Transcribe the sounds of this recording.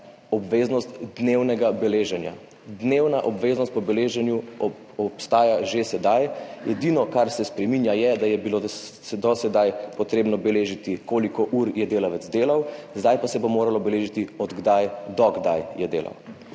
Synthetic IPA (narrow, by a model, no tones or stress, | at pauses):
ɔbʋeːznɔst̪d̪newnɛɡabɛleːʒɛnja̰ | d̪newnaʔɔbʋeːznɔst̪̚pɔbɛleːʒɛnju | ɔpst̪aːjaʒesɛd̪ajɛd̪inɔkaɾsɛspɾɛminjajɛd̪ajɛbilo | d̪ɔsɛd̪ajpɔt̪ɾeːbnɔbɛleːʒit̪ikoːlikɔʔuɾjɛd̪eːlaʋəd̪zd̪eːlawzd̪ajpasɛbomoːɾalɔbɛleːʒit̪iɔd̪ɡd̪ajd̪ɔɡd̪ajjɛd̪ḛːlʔa̰w